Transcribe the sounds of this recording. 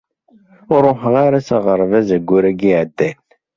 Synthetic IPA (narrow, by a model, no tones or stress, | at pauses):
ʊɾˤoħʁaɾæsæʁəɾˤvæzəɡʷːʊɾæɡiʕəd̪ːæn